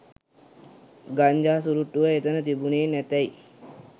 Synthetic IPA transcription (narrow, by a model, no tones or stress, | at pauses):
ɡaɲd͡ʒaːs̬uɾuʈːuʋəet̪ənət̪ibuneːnæt̪ɛj